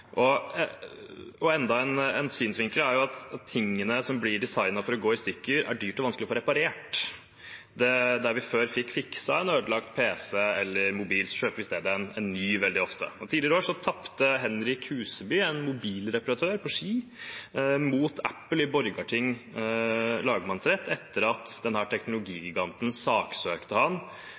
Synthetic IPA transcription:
ʔɔ | ɔɛnd̪ɑɛnɛnsyːnsʋɪŋkəlæɾjʊɑt̪ɑt̪ʰːɪŋːənəsɔmblɪɖɛsɑɪnɑfɔɾɔɡoːɪst̪ʏkːəɾæ̰ɖyːʈɔʋɑnsklɪɔfoːɾɛpɑɾeːʈ | d̪ɛd̪æɾʋɪføːɾfɪkːfɪksɑɛnøːd̪lɑkt̪̚pʰeːsɛɛlːəɾmʊbiːlsʃøːpʋɪst̪eːd̪əɛnɛnnːyːʋɛld̪ɪɔft̪ə̰ɔt̪ʰiːd̪lɪɾəoːʂɔt̪ʰɑpt̪əɦɛnɾɪkhʉːsəbyːɛnmʊbiːlɾɛpɑɾɑt̪ʰøːɾpʰɔʂiː | muːt̪æpːəlɪbɔɾɡɑʈʰɪŋː | lɑːɡəmɑnsɾɛt̪ʰːɛt̪ːəɾɑt̪d̪ɛnhæːʈʰɛknʊlʊɡiːɡɪɡɑnt̪n̩sɑːksøːkt̪əhɑn

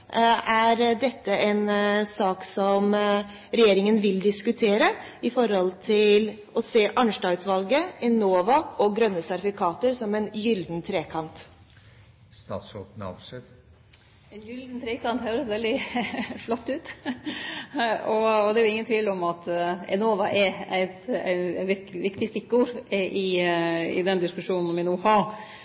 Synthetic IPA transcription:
ʔæɾɖɛt̪ːəʔɛnsɑːksɔm | ɾɛjeːɾɪŋənʋɪld̪ɪskʉt̪ʰeːɾə | ɪfɔɾhɔlt̪ʰɪl | ɔseːʔɑnʂʈɑt̪ʋɑlɡəɛnoːʋɑʔɔɡɾœnːəsæɾɪfɪkʰɑːt̪əɾsɔmɛnjʏld̪nt̪ʰɾeːkʰɑnt̪ | st̪ɑ̰ːt̪sɔt̪nɑ̰ʋsɛd̪ | ɛnjʏld̪n̩t̪ʰɾeːkɑnt̪høːɾəsɔʋɛld̪ɪflɔt̪ːʉːt̪ | ɔɔd̪ɛɾjʊɪŋːənt̪ʰʋiːlɔmɑt̪ɛ̰noːʋɑʔɛɾæɪt̪æ̰ɪnʋɪʋɪkt̪ɪst̪ɪkːuːɾʔɪɪ̰d̪ɛnd̪ɪskʉʂuːnn̩ɔmʋɪnuːhɑɾ

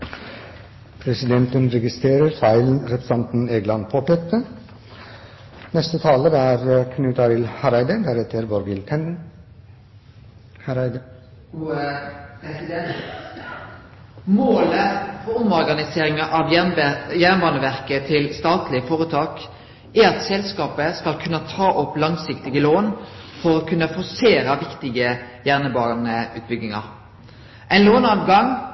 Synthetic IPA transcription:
pʰɾɛsɪd̪ɛnt̪ənɾɛɡɪst̪ɾeːɾəɾfɑɪln̩ɾɛpɾə̥sɑnt̪n̩eːɡlɑnpʰopɛt̪ə | nɛst̪ət̪ʰɑːləd̪æːɾkʰnʉːt̪ɑɾɪlhɑɾæɪd̪əd̪æɾɛt̪əɾʋɔɾɡɪlt̪ʰɛnn̩ | hɾɪd̪ | sɛ | moːləfɔʁʊmɔʁɡɑnɪseːɾɪŋɑʔɑʋnjæʁnʋɑnəʋæʁkət̪ʰɪlst̪ɑːt̪lɪfɔʁət̪ʰɑːk | æɑt̪sɛlskɑːpəskɑlkʰʉnːət̪ʰɑːʔɔplɑŋsɪkt̪ɪɡəloːnfɔʁoːkʰʉnːəfɔseːɾɑʋɪkt̪ɪɡəjæʁnəbɑːnəʉ̰ːt̪̚bʏɡɪŋɑ̰ʁ | ʔæɛɪnloːnɑːʋɡɑŋ

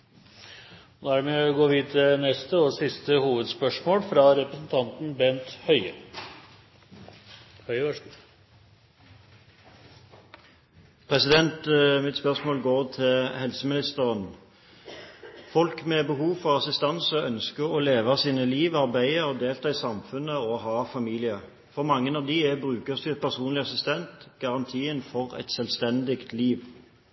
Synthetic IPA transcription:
d̪æɾmeːɔɡoːʋiːənɛst̪əɔsɪst̪əhuːʋəd̪spœʂmoːlfɾɑɾɛpɾəsnt̪ʰɑnt̪n̩bɛnt̪hœʏə̰ | hœʏ | pʰʁɛsɪd̪ɛnt̪mɪt̪spœʁsmoːlɡoːʁt̪ʰɪlhɛlsəmɪnɪst̪əʁən | fɔlkmɛbəɦuːfɔʁɑsɪst̪ɑnsəœnskəʁɔleːʋɑsiːnəliːʋɑʁbæɪəɔd̪eːlt̪ʰɑːɪsɑmfʉnəɔɦɑːfɑmiːlɪə | fɔʁmɑŋːənɑːʋd̪ɪæbʁʉːkəsd̪ʉpʰæʁsuːnlɪɑsɪst̪ɛnt̪ɡ̥ɑʁɑnt̪ʰiːənfɔʁɛ̰t̪sɛlʋst̪ɛnd̪ɪkt̪liːʋ

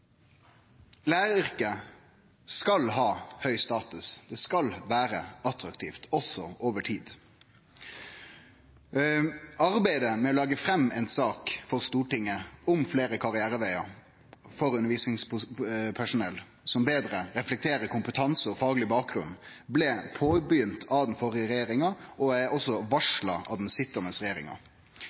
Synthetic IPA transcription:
læːɾəʏʁkə | skɑlɦɑːhœʏst̪ɑːt̪ʉsd̪̥ɛːskɑlʋæːɾə̰ɑt̪ɾɑkt̪ʰiːft̪ʰɔsɔʔoːʋəʈʰiːd̪ | ɑʁbæɪd̪əmɛoːlɑːɡəfɾɛmːɛnsɑːkfɔʁst̪uːʈɪŋːəʊmfleːɾəkʰɑʁɪæːɾəʋæɪɑ̰ | fɔɾʉnːəʋiːsnɪŋspʰæʂʊnɛl | sɔmbeːd̪ɾəɾɛflɛk̚t̪ʰeːɾəɾkʊmpət̪ʰɑnsəɔfɑːɡlɪbɑːk̚ɡɾʉn | blɛpʰoːbjʏnt̪ʰɑʋd̪n̩fɔɾɪəɾɛjeːɾɪŋɑɔæɔsːɔʋɑʂlɑɑ̰ʋd̪n̩sɪt̪ɔməsʁɛjeːɾɪ̰ŋɑ̰

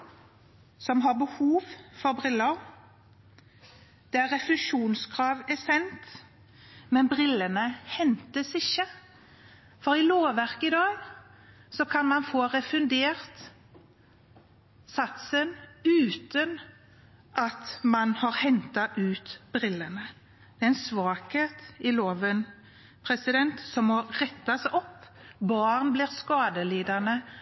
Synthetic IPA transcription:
sɔmɦɑʁbəhuːʋfɔʁbʁɪlːəʁ | d̪̥ɛæʁɛflʉʃuːnskʰʁɑːʋɛsɛnt̪ | mɛnbʁɪlːənəhɛnt̪əsɪçːə | fɔɾɪloːʋæʁkəɪd̪ɑːɡ | sɔkʰɑnmɑnfoːʁɛfʉnd̪eːʁt̪ | sɑt̪sənʉːt̪ən | ʔɑt̪mɑnhɑʁhɛnt̪ɑʔʉːt̪bɾɪlːənə | d̪̥ɛɛnsʋɑːkheːt̪ɪloːʋən | pʰɾɛsɪd̪ɛnt̪sɔmmɔʁɛt̪ːɑsɔpːbɑːʁnbliːʁskɑːd̪əliːd̪əʁnə

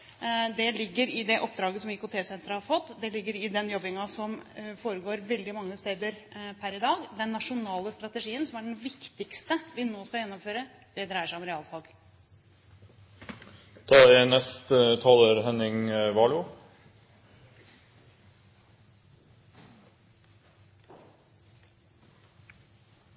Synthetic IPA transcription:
d̪ɛlɪɡːəɾɪd̪ɛʔɔpːd̪ɾɑːɡəsɔmɪkʊt̪ʰeːsɛnt̪ɾəhɑɾfɔt̪ːd̪ɛlɪɡːəɾɪd̪ɛnjɔbɪŋɑsɔmfoːɾəɡoːɾʋɛld̪ɪmɑŋːəst̪eːd̪əɾpʰæɾɪd̪ɑːɡd̪ɛnːɑʂʊnɑːləst̪ɾɑt̪əʂiːənsɔmæɖɛnʋɪkt̪ɪkst̪əʋɪnoːskɑjɛnːɔmføːɾə | d̪̥ɛd̪ɾæɪəʂæɪɔmɾɛɑːlfɑlɡ | t̪ʰɑːɛnɛst̪t̪ʰɑːloːɾɦɛnɪŋʋɑːlʊ

